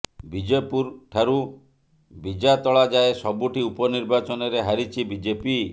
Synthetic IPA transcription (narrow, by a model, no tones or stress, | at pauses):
bid͡ʒepuɾʈʰaɾu | bid͡ʒat̪ɔɭad͡ʒaesɔbuʈiupɔniɾbat͡ʃɔnɔɾeɦaɾit͡ʃʰibid͡ʒepi